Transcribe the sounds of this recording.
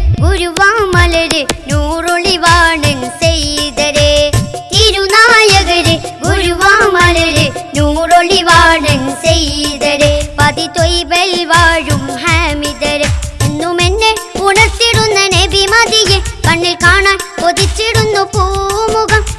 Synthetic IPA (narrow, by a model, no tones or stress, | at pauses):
ɡuɾuʋamɐlɐɾenuɾoliʋaːnɐnseid̪ɐɾet̪iɾunaːjɐɡɐɾeɡuɾuʋamɐlɐɾenuɾoliʋaːnɐnsejd̪ɐɾepɐd̪it̪oibɐʋaːɾumɦɛmid̪ɐɾeinːomenːepunɐst̪iɽund̪ɐnebimad̪ijekɐɳːeɾkaːɳakod̪it͡ʃiɽunːopumuɡã